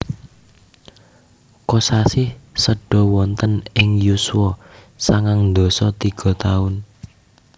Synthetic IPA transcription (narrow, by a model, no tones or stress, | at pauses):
kɔsasɪhsəɖ̥ɔ̤wɔnt̪ənɪŋjusuwɔ | saŋaŋd̪ɔ̤sɔt̪iɡ̥ɔ̤t̪aʊn